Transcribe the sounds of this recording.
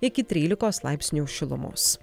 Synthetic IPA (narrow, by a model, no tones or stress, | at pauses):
ɪkʲɪt̪ʲɾʲiːlʲɪkoːslˠɑˑɪpʲsʲnʲuːʃʲɪlˠʊ̰mʊ̰s